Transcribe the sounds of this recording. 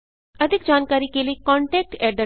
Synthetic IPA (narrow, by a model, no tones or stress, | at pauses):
əd̪ʱɪk̚d͡ʒaːnkaːɾikeːliikɔ̃ːɳʈɛːk̚ʈɛːɖə